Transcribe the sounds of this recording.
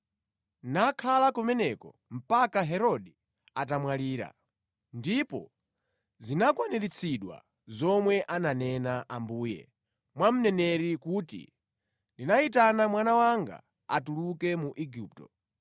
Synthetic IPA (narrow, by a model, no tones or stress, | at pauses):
nakʰalakɔmɛnɛkɔ̰ | m̩pakaɦɛɾɔɗɛ | at̬amwaliːɾa̰ | ndipɔ̰ | zinakwanɛɾit͡sʰiɗwa̰ | zɔmwɛʔananɛnaʔambuːjɛ̰ | mwam̩nɛnɛɾikuːtḭ | ndinaitanamwanawaŋɡa̰ | atulukɛmuʔiɡiːptɔ